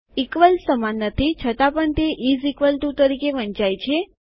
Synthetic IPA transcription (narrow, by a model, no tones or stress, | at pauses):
ikʋəlsəmanːət̪ʰit͡ʃʰət̪apəɳt̪eʔizikʋəlʈut̪əɾikeʋənt͡ʃajt͡ʃʰe